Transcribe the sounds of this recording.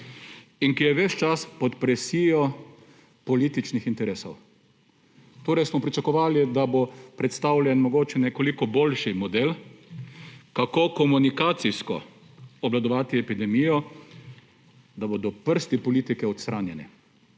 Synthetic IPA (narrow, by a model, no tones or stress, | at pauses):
iŋkijɛʋɛt͡ʃt͡ʃaspɔt̪pɾɛsiːjɔ | pɔlit̪it͡ʃnixint̪ɛɾeːsɔw | t̪oːɾɛjsmɔpɾit͡ʃakɔʋaːlid̪abopɾɛt̪st̪awlʲjɛnmɔɡoːt͡ʃɛnɛkɔlikɔbolʃimɔd̪el | kakokɔmunikaːt̪siskɔ̰ | ɔblad̪ɔʋaːt̪iɛpid̪ɛmijɔ | d̪abod̪ɔpəɾst̪ipɔliːt̪ikɛɔt̪st̪ɾanjɛnɛ̰